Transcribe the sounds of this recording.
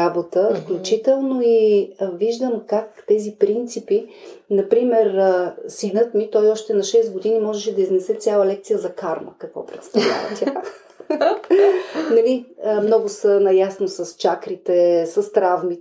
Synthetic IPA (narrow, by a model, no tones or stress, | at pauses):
abot̪əfklʲut͡ʃit̪ɛlˠnoiviʒd̪əmkakt̪ɛzipɾint̪sipinɐpɾimɛɾsinɤt̪mit̪ɔjɔʃt̪ɛnɐʃɛsɡod̪inimɔʒɛʃɛd̪ɐiznɛsɛt̪sʲjalˠəlɛkt̪sijəzɐkaɾmə̰kɐkvɔ̰pɾɛt̪st̪ɐvlʲa̰və̰t̪ʲja | nɐliəmnɔɡʊsənɐjasnosɐst͡ʃakɾit̪ɛsɐst̪ɾavmi